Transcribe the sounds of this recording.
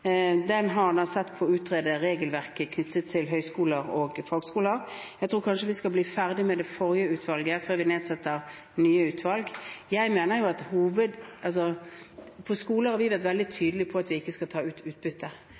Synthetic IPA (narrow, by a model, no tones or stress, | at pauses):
d̪ɛnɦɑʁnɑsɛt̪ːpʰɔʉːt̪ʰʁeːd̪əɾeːɡəlʋæʁkəkʰnʏt̪ʰːət̪ʰːɪlɦœʏskuːləɾɔɡfolɡskuːləɾjæɪt̪ʰɾuːɾkʰɑnʂəʋɪskɑbliːfæʁd̪ɪmɛd̪ɛfɔɾjəʉːt̪ʋɑlɡəføːʁʋɪneːd̪sɛt̪ːəɾ | nyːəʉːt̪ʰʋɑlɡjæɪmeːnəɾjʊɑt̪huːʋəd̪ɑls̬ɔ | pʰɔskuːləhɑɾʋɪʋeːʁt̪ʋɛld̪ɪt̪ʰyːd̪əlɪpʰɔɑt̪ʋɪɪkːəskɑt̪ʰɑːʉːt̪ʉːt̪̚bʏt̪ʰːə